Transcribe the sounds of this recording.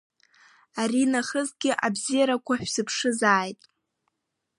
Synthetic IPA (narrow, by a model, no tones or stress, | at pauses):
aɾinaχəzɡʲɪʔabzijaɾakʷʰaħʷᶣsɨpʰʂɨzaːjtʼ